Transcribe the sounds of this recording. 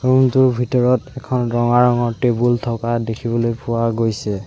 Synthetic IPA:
ɹumtʊɹbʱitɔɹɔtɛkʰɔnɹɔŋaɹɔŋɔɹtebultʰɔkadekʰibɔlojpʊwaɡojsɛ

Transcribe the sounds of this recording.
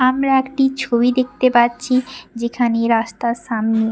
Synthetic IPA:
amɾaekʈit͡ɕʰobid̪ek̚t̪epatːɕʰid͡ʑekʰaneɾast̪aʃamne

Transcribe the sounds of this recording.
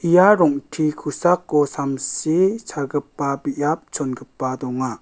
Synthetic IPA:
ijaɾɔŋʈʰikʰusakːɔsamsisʰaɡɯpːabijap̚t͡ʃɔnɡɯpːad̪ɔŋa

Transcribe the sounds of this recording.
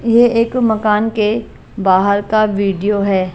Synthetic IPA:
jeeːkmɐkaːnke | baːɦəɾkaʋiːɖijoɦɛː

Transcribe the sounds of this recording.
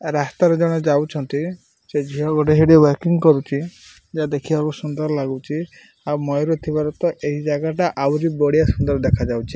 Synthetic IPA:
ɾast̪aɾɔd͡ʒɔɽ̃ɔd͡ʒawt͡ʃʰɔnt̪i | sed͡ʒiɦɔɡɔʈeɦiɽewaɾkiŋkɔɾut͡ʃʰi | d͡ʒad̪ekʰibakusund̪ɔɾɔlaɡut͡ʃʰi | amɔjɾot̪ʰibaɾɔt̪ɔʔeɦid͡ʒaɡaʈaʔawɾibɔɽijasund̪ɔɾɔd̪ekʰad͡ʒawt͡ʃʰi

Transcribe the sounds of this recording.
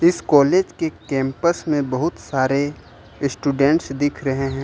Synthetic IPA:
ɪskɔːleːd͡ʒkekɛ̃ːmpəsmẽbɐɦʊt̪saːɾe | sʈuːɖɛ̃ɳʈsd̪ɪkʰɾɐɦeɦɛ̃ː

